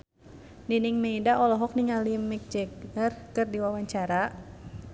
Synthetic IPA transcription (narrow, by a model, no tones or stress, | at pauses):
niniŋmeidaʔɔlɔɦɔk̚niŋalimik̚d͡ʒɛɡərkɨrdiwawaɲt͡ʃaɾa